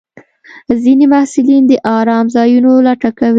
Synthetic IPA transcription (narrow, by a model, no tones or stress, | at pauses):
zinemahsɪlind̪əʔɑɾɑmzɑjunolaʈakawi